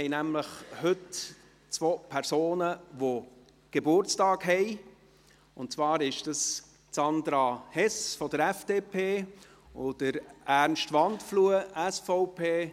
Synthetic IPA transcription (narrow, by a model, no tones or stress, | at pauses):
ɛɪnæmləχhɵt | t͡svoːpʰɛɾsoːnəʋo | ɡ̥ebʊɾt͡stɑːkɦɛɪ | ʊntt͡svɑːɾɪʃd̥əs | t͡sɑnd̪ɾɑhɛsfɔdəɾɛfd̥epʰeː | od̥əɾæɾnʃtʋɑntfluəʔæsfɔʊpʰeː